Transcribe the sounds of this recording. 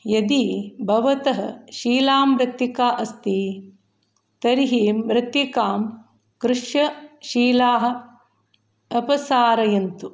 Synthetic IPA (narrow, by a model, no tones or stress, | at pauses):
jɐd̪ibʱɐʋɐt̪ɐɦɐ̰̆ʃiːlaːmːɾɐt̪jikaːʔɐst̪i | t̪ɐɾiɦimɾɐt̪ːikaːm | kɾɪʂjɐʃiːlaːɦɐ̆ | ɐpɐsaːɾɐjɐnt̪u